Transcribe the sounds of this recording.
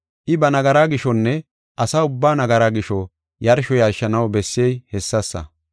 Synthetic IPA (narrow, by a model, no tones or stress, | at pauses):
ʔɪbɐnɐɡɐɾaːɡɪʃɔnːɛ | ʔɐsaʊbːaːnɐɡɐɾaːɡɪʃɔ | jɐɾʃɔjɐɾʃɐnɐwbɛsːejhɛsːɐsːɐ̰